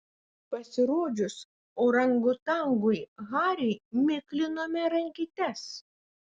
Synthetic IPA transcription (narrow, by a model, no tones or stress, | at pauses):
pɐsʲɪɾoːd͡ʒʲʊs | oːɾɐŋɡʊt̪ɐŋɡʊɪɣɑːɾʲɛɪmʲɪklʲɪnoːmʲɛɾɐŋʲkʲit̪ʲɛs